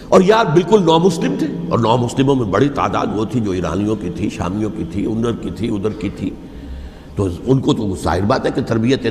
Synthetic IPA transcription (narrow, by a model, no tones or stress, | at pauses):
ɔːɾjaːd̚bɪlkʊlnɔːmʊslɪmt̪ʰeːɔ̰ːɾnɔːmʊslɪmõmẽbɐɽit̪a̰ːd̪a̰ːd̪ʋot̪ʰid͡ʒoːiːɾa̰ːnijõkit̪ʰiʃa̰ːmijõkit̪ʰiʊ̰̃nd̪əɾkit̪ʰiʊd̪əɾkit̪ʰi | t̪oʊnkot̪osa̰ːɦɪɾbaːt̪ɦɛket̪ɐɾbijət̪ẽ